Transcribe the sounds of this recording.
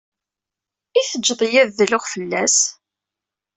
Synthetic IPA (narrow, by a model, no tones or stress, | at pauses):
iθəd͡ʒːðˤjæððəlʊʁfəlːæs